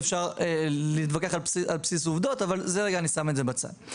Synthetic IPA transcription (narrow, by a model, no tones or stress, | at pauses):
fʃaʁeliːt̪vakeχalpsialpsis̬uvd̪o̞tavalzeʁe̞ɡaːnisametzebat͡sa̰n